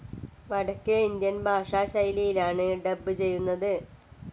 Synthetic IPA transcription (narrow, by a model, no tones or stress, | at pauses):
ʋɐɽɐkːɨind̪jɐnbʱaːʂaːɕɐjlijilaːɳɨɖɐbːɨt͡ɕe̞jːunːɐðɨ